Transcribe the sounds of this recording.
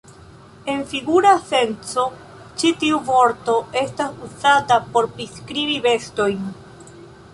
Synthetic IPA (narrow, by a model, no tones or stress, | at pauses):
e̞nfiɡuɾase̞nt͡so̞ | t͡ʃitiuvo̞ɾto̞e̞stasuzatapo̞ɾpɾiskɾibive̞sto̞jn